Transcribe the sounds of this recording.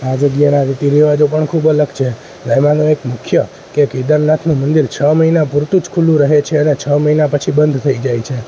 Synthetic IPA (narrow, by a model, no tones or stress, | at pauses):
ad͡ʒəɡjənaɾit̪iɾiʋad͡ʒopəɳkʰubələɡt͡ʃʰe | ləjmãnõekmʊkʰjə | keked̪əɾnat̪ʰnũmənd̪iɾt͡ʃʰəməɦinapuɾt̪ud͡ʒkʰulũɾəɦet͡ʃʰeənet͡ʃʰəməinapət͡ʃʰibənd̪ʱt̪ʰəid͡ʒajt͡ʃʰe